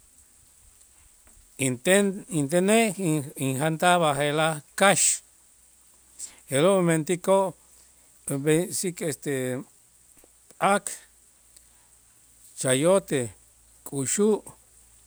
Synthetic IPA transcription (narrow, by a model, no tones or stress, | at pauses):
eint̪eneiŋɦant̪aβaɦelakaʃ | eɾoment̪ikoʔ | besikest̪e | pʼak | t͡ʃajot̪e | kʼuʃuʔ